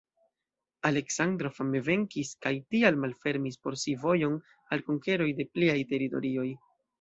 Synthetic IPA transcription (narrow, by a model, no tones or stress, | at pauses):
ale̞ksandɾo̞fameve̞ŋkiskajtialmalfe̞ɾmispo̞ɾsivo̞jo̞n | alkoŋke̞ɾo̞jde̞pliajte̞ɾito̞̰ɾio̞j